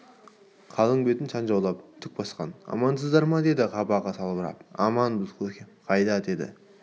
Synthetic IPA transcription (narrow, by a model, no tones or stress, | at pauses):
qʰɑlˠəɴbe̞t̪ɪnʃʰɑnʒɑwlˠɑp̚t̪ʰʏk̚bɑsqɑ̰nɑ̰mɑns̬əzd̪ɑɾmɑd̪e̞d̪ɪʁʰɑpɑʁɑt̪ʰɑlˠbəɾɑ̰pɑmɑnbɪzkʰɵkʲeqʰɑjd̪ɑd̪e̞d̪ɪ̰